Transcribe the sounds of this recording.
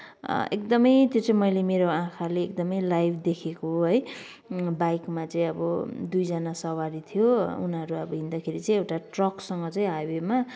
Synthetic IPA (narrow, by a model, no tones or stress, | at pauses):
ḛkd̪ʌmʌjt̪jot͡sʌĩmʌjlemeɾoãkʰaleːk̚d̪ʌmʌjlajbʰd̪ekʰekoɦʌj | bajkmat͡sʌĩʌbʌd̪ujd͡zanasʌwaɾit̪ʰjoṵnɦʌɾuʌbʌɦind̪akʰeɾit͡sʌĩewʈaʈrʌksʌŋɡʌt͡sʌ̃ĩɦawema